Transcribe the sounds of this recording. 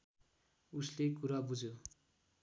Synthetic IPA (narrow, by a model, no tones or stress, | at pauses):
uslekuɾabud͡zʱjo